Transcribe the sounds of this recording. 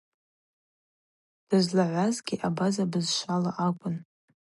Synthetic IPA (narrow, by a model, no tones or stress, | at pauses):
d̥ɨzlaʕʷazɡʲiʔabazabɨzʃʷalaʔakʷʼʊn